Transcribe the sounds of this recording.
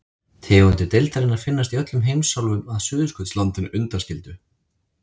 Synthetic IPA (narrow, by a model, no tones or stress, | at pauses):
t̪ʰɪːɣʏnt̪ɪɾt̪ejlt̪aɾɪnaɾfɪnːast̪iœt̪lʏmɦejmsːawlvʏmaðsʏːðʏskʰʏt̪slant̪ɪnʏnt̪ascɪlt̪ʏ